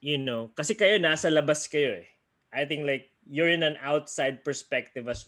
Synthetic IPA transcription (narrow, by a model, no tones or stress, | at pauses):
jʊnokɐsɛkɐjo̞naːsɐlɐbaskɐjo̞ʔɛ | ʔajθɪ̃ŋklajk̚ | jʊɹɪ̃nɐ̃nʔawt̪sajd̪̚pɛɹspɛk̚t̪ɪvɐs